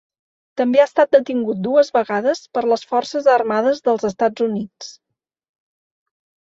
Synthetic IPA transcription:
t̪əmbeast̪at̪̚d̪ət̪iŋɡut̪̚d̪uəzβəɣaðəspəɾləsfɔrsəzərmaðəzðəlˠzəst̪ad͡zunit͡s

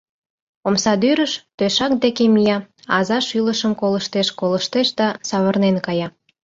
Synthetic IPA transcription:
omsɑd̪yɾəʃt̪øʃɑk̚d̪ekemijɑɑ̰zɑʃyləʃəmkoləʃt̪eʃkoləʃt̪eʃd̪ɑsɑβərnenkɑjɑ

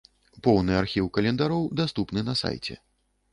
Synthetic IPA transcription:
pɔwnɨarxʲiwkɐlʲɛnd̪aɾɔwd̪ast̪upnɨnɐsa̰jt͡sʲɛ̰

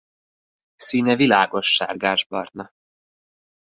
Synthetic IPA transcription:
siːnɛvilaːɡo̞ʃːa̰ːrɡaːʒbɒ̰rt̪nɒ

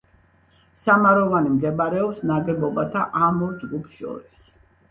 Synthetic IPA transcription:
samaɾɔvanimɡɛbaɾɛɔpsnaɡɛbɔbat̪ʰaʔamɔɾd͡ʒɡupʰʃɔ̰ɾis

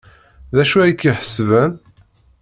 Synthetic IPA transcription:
ðæʃuæjkːiħə̥svæn

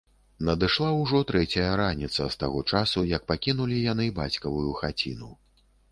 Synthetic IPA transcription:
nɐd̪ɨʂlˠawʐɔt̪ɾɛt͡sʲɐjɐɾanʲit̪sɐst̪aɣɔt͡ʂasujɐk̚pakʲinulʲijan̪ɨba̰t͡sʲkɐvujuxat͡sʲḭnu

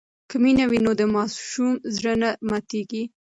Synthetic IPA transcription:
kəminawinod̪əmɑsʃumzɽənamɑt̪eɡi

